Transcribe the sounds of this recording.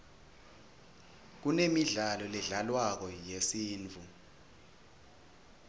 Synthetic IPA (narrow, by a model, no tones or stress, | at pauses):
k̬unemiɮalɔlɛɮalwak̬ɔjesiːnt͡fu